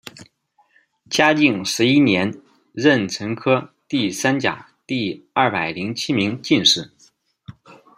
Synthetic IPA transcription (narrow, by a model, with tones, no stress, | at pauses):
t͡ɕja˥t͡ɕi˥˩ŋʂɻ̩˧˥i˥njɛ˧˥n | ɻə˥˩nʈ͡ʂʰɤ˧˥ŋkʰɤ˥t̪i˥˩sa˥nt͡ɕja̰˨˩ | t̪i˥˧ɐ˥˩pa˨˩ɪli˧˥ŋt͡ɕʰi˥mi˧˥ŋt͡ɕi˥˧nʂɻ̩˥˩